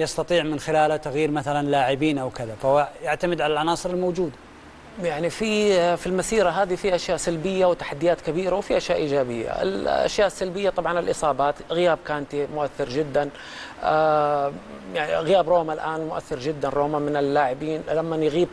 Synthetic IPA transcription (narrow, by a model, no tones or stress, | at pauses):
jɑst̪ɑt̪ˤiːʕmɪnxɪlaːlat̪aɣjiːɾmaθalanlaːʕɪbiːnʔawkɪðafahʊwajaʕt̪amɪd̪ʕalalʕɑnɑːsˤɨɾɪlmowd͡ʒuːd̪a | jaʕnififilmasiːɾaɦaːðifiʔaʃjaːʔsalbɪjːawt̪ḁħad̪ːɪjaːt̪kabiːɾawfiʔaʃjaːʔiːd͡ʒaːbɪjːa̰ɪ̰lʔa̰ʃjaːʔɪsːalbɪjːat̪ˤɑbʕɑnɪlʔɨsˤɑːbaːt̪ɣɪjaːb̚kaːnt̪imʊʔaθːɪɾd͡ʒɪd̪ːan | ʔa | jaʕiɣɪjaːbɾoːmalʔaːnmʊʔa̰θːɪɾd͡ʒɪd̪ːanɾˤoːmamɪnɪlːaːʕɪbiːnlamːanjɣiːb